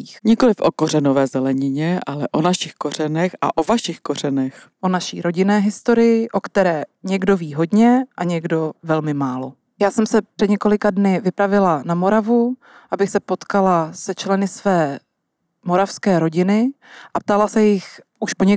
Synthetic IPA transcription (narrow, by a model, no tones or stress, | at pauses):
xɲɪkolɪfʔokorɛnovɛːzɛlɛɲɪɲɛʔalɛʔonaʃɪxko̞r̝ɛnɛxa̰ʔovaʃɪxko̞r̝ɛnɛx | ʔonaʃḭːɾo̞ɟɪnɛːɦɪst̪o̞ɾɪjɪʔo̞kt̪ɛɾɛːɲɛɡdo̞viːɦo̞dɲɛʔaɲɛɡdo̞vɛlmɪmaːlo̞ | jaːsɛmsɛpr̥ɛdɲɛko̞lɪkadnɪvɪpɾavɪlanamo̞ɾavu | ʔabɪxsɛpo̞t̪kalasɛt͡ʃlɛnɪsvɛː | mo̞ɾafskɛːɾo̞ɟɪnɪʔap̚t̪alasɛjɪxʔuʃpoɲɛ